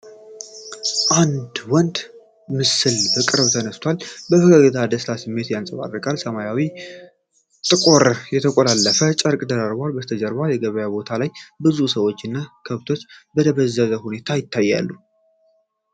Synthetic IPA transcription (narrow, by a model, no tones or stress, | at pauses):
ʔand̪wɔnd̪ | mɨsɨlbɨkʼɨɾəβt̪ʰənəst̪ʰwalbəfɨɡəɡət̪ʰad̪əslasɨmːe̞t̪jansʼəβa̰rːəkʼalsəmajawi | t̪ʼɨkʼoɾjɛt̪ʰəkʼolalːəfət͡ʃʼəɾkʼd̪əɾaɾbalbət̪ʰəd͡ʒəɾβajɛɡəβəjabo̞t̪ʰalajbɨzusəwo̞t͡ʃːɪnːakʰəβt̪ʰo̞t͡ʃːbəd̪əβəzːəzəhune̞t̪ʰajɪt̪ʰːajːa̰lːu